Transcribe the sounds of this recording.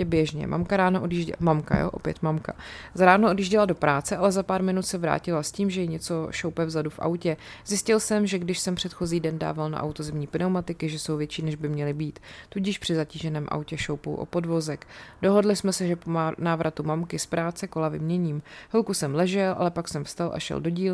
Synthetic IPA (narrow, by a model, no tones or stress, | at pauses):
bjɛʒɲɛ̰mʔa̰mkaɾaːnoʔodjiʒɟɛmamka̰jo̰ʔo̰pjɛ̰t̪mamka̰zaɾaːnoʔodjiːʒɟɛlado̞pɾaːt͡sɛʔalɛzapaːɾmɪnut̪sɛvɾa̰ːcɪlasciːmʒɛjɪɲɛt͡so̞ʃowpɛvzadufʔa̰wcɛzjɪscɪlsɛmʒɛɡdɪʃsɛmpr̝̥ɛt̪xo̞ziːdɛnda̰ːvalna̰ʔa̰wt̪ozɛmɲiːpɪnɛwmat̪ɪkɪʒɛso̞wvjɛt͡ʃiːnɛʒbɪmɲɛlɪbiːt̪t̪ːuɟɪʃpr̥ɪzaciːʒɛnɛːmʔa̰wcɛʃowpo̰wʔo̰po̞dvo̞zɛkd̥o̞ɦo̞dlɪsmɛsɛʒɛponaːvɾʔat̪umamkɪspɾaːt͡sɛkolavɪmɲɛɲiːmhlkusɛmlɛʒɛlʔa̰lɛpaksɛmfst̪alʔa̰ʃɛ̰ldo̞ɟiːl